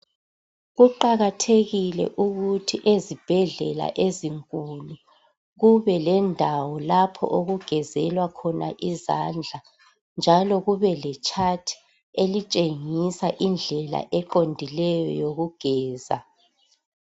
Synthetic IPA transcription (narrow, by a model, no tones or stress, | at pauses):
ɣuǃaɣatʰeɣilɛ̰ʔuɣutʰiʔezib̥ʱɛɮɛ̰la̰ʔeziŋkʼulu | ɣuβɛlɛndʱawɔlapʰɔ̰ʔoɣuɡ̥ʱɛzɛlwakʰɔna̰ʔiza̰nd͡ɮʱa | nd͡ʒʱalɔɣuβɛlɛt͡ʃʰʼatʰi̥ | elit͡ʃʼeŋisaʔind͡ɮʱɛla̰ʔɛǃondʱilɛjɔ̰joɣuɡ̥ʱɛːza̰